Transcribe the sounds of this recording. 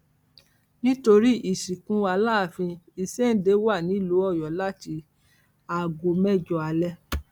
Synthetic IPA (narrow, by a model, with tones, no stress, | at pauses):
nĩ˦to˧ɾi˦ʔi˦˨ʃi˨kũ˨˦a˧la˦˨fĩ˧i˧se˦n̩˦de˨˦wa˦˨nĩ˨˦˨lu˨˦ɔ˦˨jɔ˨la˦ti˧˦ | a˨ɡo˨mɛ˦˨d͡ʒɔ˦a˧lɛ˦